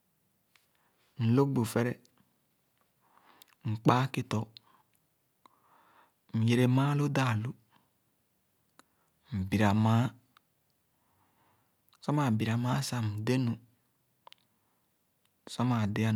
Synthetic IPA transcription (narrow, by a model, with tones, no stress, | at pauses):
n̩˨lo˦ɡ͡bu˨fe˦ɾe˦ | ŋ͡m̩˨k͡pa˦ki˦to˨ | m̩˨je˨ɾe˨maː˦lo˦da˦˨lu˦ | m̩˨bi˨ɾa˨ma˨˦ | sa˦ma˨bi˨ɾa˨ma˦sa˨m˨de˦nu˨ | sa˦ma˨de˨a˦